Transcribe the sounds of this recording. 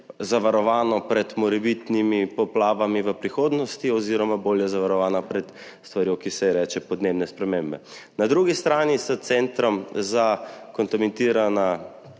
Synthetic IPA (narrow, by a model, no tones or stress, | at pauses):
zaʋaɾɔʋaːnɔpɾɛt̪mɔɾɛbit̪nimipɔplaːʋamiʋəpɾixoːd̪nɔst̪iɔziːɾɔmaboːljɛzaʋaɾɔʋaːnapɾɛt̪ | st̪ʋaɾjowkisɛɾɛːt͡ʃɛpɔd̪neːbnɛspɾɛmeːmbɛnad̪ɾuɡist̪ɾaːnisat̪sɛnt̪ɾɔmzakɔnt̪amɛnt̪iːɾana